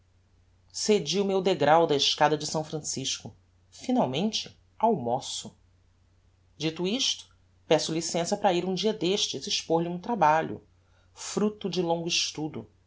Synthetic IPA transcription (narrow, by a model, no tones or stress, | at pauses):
sed͡ʒiʊmewd̪eɡɾawd̪ɐɪʃkad̪ɐd͡ʒɪsɐ̃w̃fɾɐ̃siʃkʊ | finawmẽnt͡ʃɪ | awmosʊ | d͡ʒit̪ʊiʃt̪ʊ̥ | pɛsʊlisẽsɐpɾɐiɾũd͡ʒiɐd̪eʃt͡ʃɪziʃpoɾʎiũt̪ɾabaʎʊ̰ | fɾut̪ʊd͡ʒɪlõŋɡʊiʃt̪ud̪ʊ